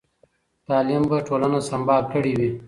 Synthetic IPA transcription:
t̪ɑːlimbaʈolanosɐmbɑːkʰəɽiwi

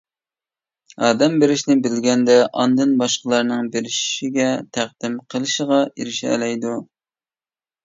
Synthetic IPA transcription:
ɑːd̪ɛmbeɾɪʃnɪbɪlɡʲɛnd̪ɛʔɑ̰nd̪ɨnbɑʃqəlˠɑɾnɨŋbeɾɪʃiɡʲɛt̪ʰæq̚d̪̥ɪmqʰəlˠɨʃəʁɑiɾɪʃɛ̰lɛjd̪u

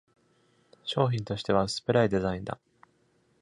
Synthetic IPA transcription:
ɕo̞ːçʲĩnt̪o̞ɕi̥t̪e̞β̞asɨ̥pɯ̟ɾaid̪e̞zaĩnd̪a̰

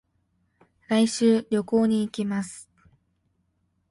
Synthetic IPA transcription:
ɾaiɕɨːɾʲo̞ko̞ːɲ̟iːkʲimasɨ̥

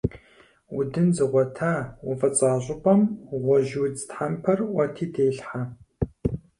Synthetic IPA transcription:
wʊdɨnzɨʁʷɔtʰaːwʊvɐt͡sʼaːʑʷʼʊpʼɐmʁʷɔʒuwd͡ztħampʰɐrwɐtʰiːdeːɬħa

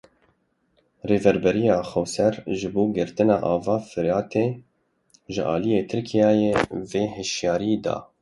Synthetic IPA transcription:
reːvɛɾbɛɾijɑːxɛwsɛɾʒɨboːɡɪɾt̪ɨnɑːʔɑːvɑːfɨɾjɑːt̪eː | ʒɪʔɑ̰ːlijeːt̪ʰɨɾkʰijɑːjeːveːɦɨʃjɑːɾiːd̪ɑ̰ː

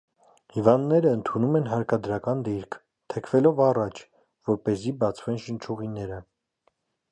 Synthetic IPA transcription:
hivɑnd̪nɛɾəːnt̪ʰunumɛnɦɑɾkɑd̪ɾɑkɑnd̪iɾkʰ | t̪ʰɛkʰvɛlɔvɑrɑt͡ʃʰ | vɔɾpɛzibɑt͡sʰvɛnʃənt͡ʃʰuʁinɛɾə

